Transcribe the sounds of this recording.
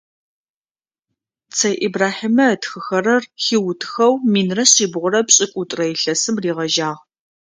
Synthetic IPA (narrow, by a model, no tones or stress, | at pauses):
t͡sʰɐjʔibraːħimɐtxɨxɐrɐrxiwʊtʰxɐwmiːnrɐɕiːbʁʷʊɾɐpɕʼɪkʷʼʊtʼrɐjɬɐsɨmriːʁɐʒaːʁ